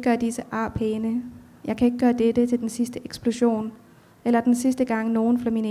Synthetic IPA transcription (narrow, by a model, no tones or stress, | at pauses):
ɡ̥ɶːɐd̥isəʔɑ̰̈ːpʰeːnə | jɑ̈ɪkʰæe̝ɡ̥əɡ̥ɶːɐd̥ed̥ət͡sʰe̝ld̥ensisd̥əʔeɡ̥sb̥lo̝ɕo̝̰ːn | elɐd̥ensisd̥əɡ̥ɑ̈ŋ̰no̝ːn̩fɒmin